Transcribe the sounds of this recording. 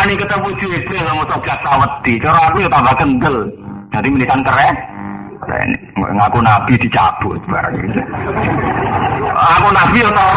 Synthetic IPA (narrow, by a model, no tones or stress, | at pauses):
nikət̪əmu̥d͡ʒuestelamut̪ɔɡ̥at̪ːawət̪ːit͡ʃɔɾɔakujot̪abakənd̪əld͡ʒ̥ad̪imilikant̪əɾɛ | ɛ̰n̰ | ŋakunab̥id̪̥i̤t͡ʃa̰b̥ʊ̰t̪̚b̥a̰ɾa̰ŋɡḭt̪u | akunabijot̪a